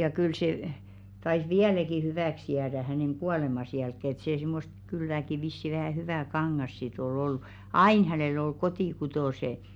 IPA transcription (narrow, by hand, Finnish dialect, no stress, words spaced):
jɑ kyl se tɑis ʋiælæki hyʋæˑks jæːdæ hæneŋ ɡ̊uɑˑlemɑs jælkːeˑ et seː simːost kylːæki ʋisːi ʋæhæˑ hyʋæˑ kɑŋːɑs sit ol oll̥u̥ ɑin hænelː ol kotiˑkutoˑse